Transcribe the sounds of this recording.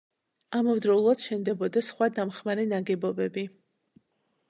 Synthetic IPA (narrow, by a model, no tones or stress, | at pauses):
amɔvd̪ɾɔulˠad̪̥ʃɛnd̪ɛbɔd̪asχwad̪amχmaɾɛnaɡɛbɔbɛbi